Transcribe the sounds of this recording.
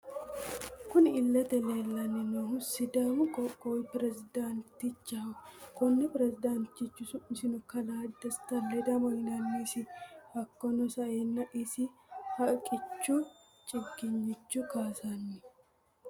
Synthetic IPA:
kʊnɪlːɐt̪ɛleːlːɐnːɛnɔhʊsɪd̪aːmʊkʼɔkʼːɔwɪpɪɾɛsɪd̪ant̪ɪt͡ʃːakɔnːɛpɪɾɛsɪd̪ant̪ːɪt͡ʃːʊsʊmɪsɪnʊkɐlaːd̪ɐst̪ɐlːɛd̪ɐmɔhɪnɐnːesɪhɐkːɔnɔsɐʔeːnːɐʔɪsɪhɐkʼɪt͡ʃːu | t͡ʃʼɪkːɪɲːɪt͡ʃːʊkaːsɐnːɪ

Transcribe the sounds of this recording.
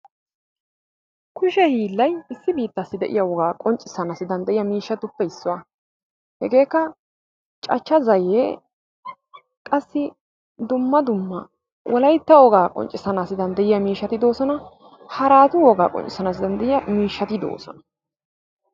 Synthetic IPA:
kʊʃɛhiːlːɐjɪsːɪbiːt̪ːɐsːɪd̪ɛʔɪ̰jɐwɔɡaːkʼɔnt͡ʃʼɪsːɐnasɪd̪ɐnd̪ɐʔɪjɐmiːʃːɐt̪ʊpːɛɪsːʊwa | hɛɡe̞ːkːɐ | t͡ʃʼɐt͡ʃːɐzɐjeː | kʼɐsːɪ | d̪ʊmːɐd̪ʊmːɐ | wʔɔlɐjt̪ːɐwɔɡaːkʼɔ̰nt͡ʃʼɪsɐnaːsɪd̪ɐnd̪ɐʔɪjɐmiːʃːɐt̪ɪd̪o̞ːsɔnɐ | hɐɾaːt̪ʊwɔɡaːkʼɔ̰nt͡ʃʼɪsɐnaːs̬ɪd̪ɐnd̪ɛʔɪjɐmiːʃːɐt̪ɪd̪o̰ːsɔ̰nɐ̥

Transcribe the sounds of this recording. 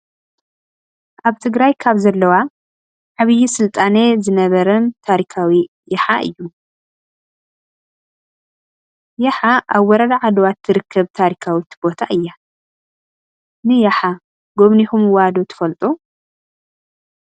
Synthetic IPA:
ʔaβt̪ʰɨɡɾajkʰaβzɐlːɐwa | ʕaβɨjːisɨlt̪ʼanezɨnɐβɐɾɐnt̪ʰaɾikʰawi | jɐħaʔɨ̰jːu | jɐħaʔaβːɔɾɐd̪aʕad̪ɐwat̪ʰːɨɾɨkʰːɐβt̪ʰaɾikʰawit̪ʰbo̞t̪ʰaʔɨjːa | nɨjaħa | ɡo̞βnihumwad̪ot̪ʰɨ̥fɐlt̪ʼu

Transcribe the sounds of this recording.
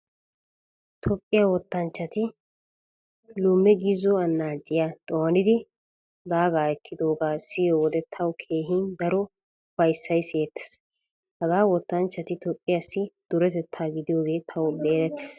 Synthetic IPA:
t̪ʰɔpʼːɪjawɔt̪ːɐnt͡ʃːɐt̪ɪ | lʊmːɛɡizɔɐnːaːd͡ʒʼɪjat̪ʼɔːɐnɪd̪ɪ | d̪aːɡaːɛkʰːɪd̪o̞ːɡaːsɪjoːwɔd̪ɛt̪ʰɐwkʰe̞ːɦind̪ɐɾɔ | fɐjsːɐjseːt̪ːɛ̥s | hɐɡaːwɔt̪ːɐnt͡ʃːɐt̪ɪt̪ɔpʼːɪjɐsːɪd̪̥ʊɾɛt̪ɛt̪ʰːaːɡɪd̪ɪjo̞ːɡe̞ːt̪ʰɐwɔbe̞ːɾɛt̪ːɛ̥s

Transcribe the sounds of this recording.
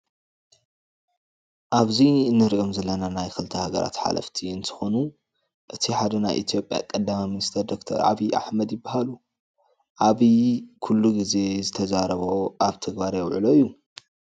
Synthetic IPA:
ʔaβziɨnːɨɾʔomzɐlːɐnanajxɨlt̪ʰɐhaɡɐ̰ɾʔa̰t̪ħa̰lɐ̰ft̪ʰiɨnt̪ʰɨ̥xonu | ʔɨt̪ʰiħad̪ɐna̰jʔḭt̪ʰijo̞pʼja̰kʼɐd̪ːamaminist̪ʰɐɾd̪o̞kt̪ʰɐ̰ɾʕa̰βiʔa̰ħmɐd̪jɪbːahalu | ʔaβikʰulːuɡize̞zɨt̪ʰɐzaɾɐβoʔaβt̪ʰɐɡbaɾjɛwʕɨ̰lo̞ijːu

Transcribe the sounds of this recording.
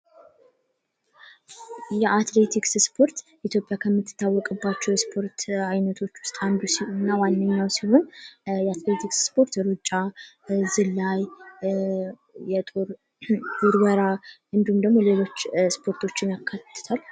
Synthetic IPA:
jɛʔat̪le̞t̪ʰiksspʰo̞ɾt̪ | it̪ʰjo̞pʼːjakʰəmːɨt̪ʰːɨ̥t̪ʰːawːɔkʼɨbːat͡ʃːɛwjɛspʰo̞ɾt̪ajnət̪ʰo̞t͡ʃːwʊst̪ʼand̪usinːawanːəɲːawsiho̞njɛat̪le̞t̪ʰiksspʰo̞ɾt̪jɛɾut͡ʃʼːa | zɨlːaj | jɛt̪ʼoɾ | ɡuɾɡəɾa | ɨnd̪ihumd̪əɡmo̞le̞lo̞t͡ʃːspʰo̞ɾt̪ʰo̞t͡ʃːɪnjakʰːat̪ːɨ̥t̪ʰal

